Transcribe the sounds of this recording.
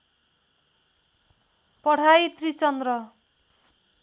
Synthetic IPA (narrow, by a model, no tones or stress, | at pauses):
pʌɽ̤ait̪rit͡sʌnd̪rʌ